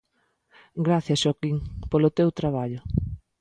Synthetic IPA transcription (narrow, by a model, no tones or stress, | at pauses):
ɡɾaθjɐsʃɔkiŋpolʊt̪ewt̪ɾaβ̞aʎʊ